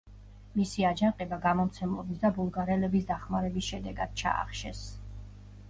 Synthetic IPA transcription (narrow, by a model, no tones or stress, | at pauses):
misiad͡ʒaqʼɛbaɡamɔmt̪sʰɛmlˠɔbisd̪abulˠɡaɾɛlɛbisd̪aχmaɾɛbisʃɛd̪ɛɡad̪̥̚t͡ʃʰa̰a̰χʃɛ̰s